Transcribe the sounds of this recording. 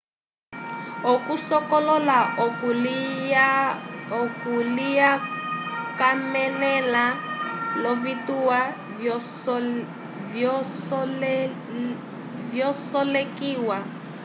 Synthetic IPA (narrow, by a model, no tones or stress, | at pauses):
okusɔkɔlɔla | okulija | kamɛlɛlalɔvituwa | vjɔsɔlekiːwa